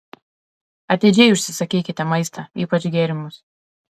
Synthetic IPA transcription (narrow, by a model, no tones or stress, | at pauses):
ɐt̪ʲeːd͡ʒʲɛɪʊʃʲsʲɪsɐkʲiːkʲɪt̪ʲɛmɐɪst̪ʰɐiːpɐt͡ʃʲɡʲeːɾʲɪmʊs